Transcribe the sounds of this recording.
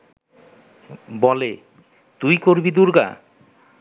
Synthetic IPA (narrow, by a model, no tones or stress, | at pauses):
bɔle | t̪ujkoɾbid̪uɾɡa̰